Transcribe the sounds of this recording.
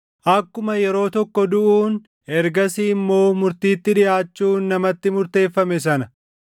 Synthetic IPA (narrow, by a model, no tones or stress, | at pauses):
ʔɐkːʊmɐjɛɾo̞ːt̪ɔkːɔd̪ʊʔuːn | ʔɛɾɡɐsiːmːo̞ːmʊɾt̪iːt̪ːɪᶑɪʔaːt͡ʃːuːnːɐmɐt̪ːɪmʊɾt̪e̞ːfːɐmɛsɐnɐ